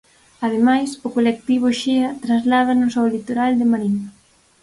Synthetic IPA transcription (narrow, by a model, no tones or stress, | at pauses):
aðemajsʊkolek̚t̪iβ̞ʊʃeɐt̪ɾazlað̞ɐnũsɔwlit̪oɾald̪emaɾinɐ